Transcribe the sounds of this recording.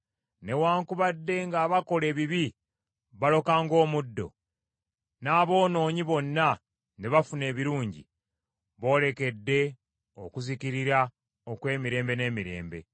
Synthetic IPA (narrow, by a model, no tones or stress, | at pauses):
ne̞waːŋkuβadːe̞ŋɡaːβako̞le̞ːβiβi | βalo̞kaːŋɡo̞ːmudːo̞̰ | naːβo̞ːno̞ːɲiβo̞nːa | neβafune̞ːβiɾuːɲɟḭ | βo̞ːle̞ke̞dːe̞ | okuziciɾiɾa | okwe̞ːmiɾe̞ːmbe̞ne̞ːmiɾe̞̰ːmbe̞̰